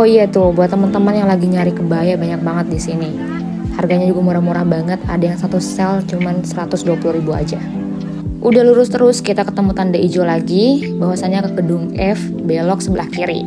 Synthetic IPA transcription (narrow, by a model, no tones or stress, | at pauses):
oijat̪ʊbuat̪ːəmənt̪əmənjaŋlaɡiɲaɾikəbajabaɲak̚baŋət̪̚disini | harɡaɲad͡ʒuɡamuɾamuɾahbaŋət̪a̰dajaŋsat̪usɛlt͡ʃumansəɾat̪ʊsduapuluhɾibua̰d͡ʒa | ʔudahluɾʊst̪əɾʊskit̪akət̪əmut̪andaʔid͡ʒolaɡi | baɦwasaɲakəɡədʊŋɛf | belɔk̚səbəla̰hkiɾḭ